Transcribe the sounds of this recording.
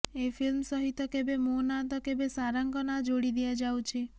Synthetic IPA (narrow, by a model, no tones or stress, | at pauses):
efʰilmsɔɦit̪ɔkebemonat̪ɔkebesaɾaŋkɔnad͡ʒoɽid̪iad͡ʒawt͡ʃʰi